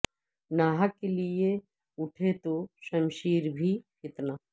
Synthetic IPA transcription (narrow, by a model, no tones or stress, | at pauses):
naːɦəkːelie | ʊʈʰet̪oʃɐmʃiːɾbʱipʰɪt̪naː